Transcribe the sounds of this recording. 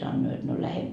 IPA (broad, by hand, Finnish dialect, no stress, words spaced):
sɑnːoː jot no læhe